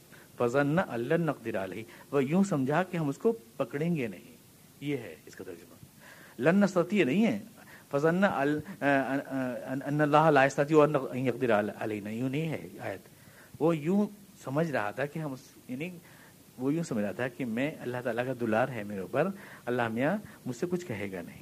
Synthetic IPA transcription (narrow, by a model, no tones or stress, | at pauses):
fɐzɐnːaʔɐlːɐnːɐq̚d̪ɪɾaɐlɐɦiʋɐjũsɐ̃md͡ʒʱakeɦɐmʊskopɐkɽẽːŋɡenɐɦḭ̃ | jeɦɛ̰ɪskat̪ɐɾd͡ʒʊma | lɐnːɐst̪ɐt̪iːnɐɦĩɦɛːfɐzɐnːaʔ | ɐnːɐlːaːɦɐlaːɪst̪at̪ioɐnːɐ̃njɐq̚d̪ɪɾalɐ̰lɐɦinajũnɐɦĩɦɛ̰a̰ːjət̪ | ʋojũ | sɐməd͡ʒʱɾɐɦat̪ʰakeɦɐmʊs | jaːni | ʋojũːsɐmd͡ʒʱat̪ʰakemɛ̃ɐlːaɦt̪aːlakad̪ʊlaːɾɦɛmeːɾopɐɾɐlːaːɦmijamʊd͡ʒsekʊt͡ʃʰkɐɦeːɡa̰nɐɦĩ